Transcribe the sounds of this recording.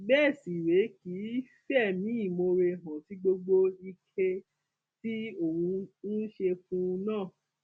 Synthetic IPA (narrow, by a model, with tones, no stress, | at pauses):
bɛː˦˨si˨ɾe˨˦ki˨˦fɛ˦˨mĩ˨˦i˦˨mo˧ɾe˧ɦã˨ti˨˦ɡ͡bo˧ɡ͡bo˦i˧kʰe˧ | ti˦o˦˨ɾũ˧n̩˦ʃe˧fũ˦˧nãː˦˨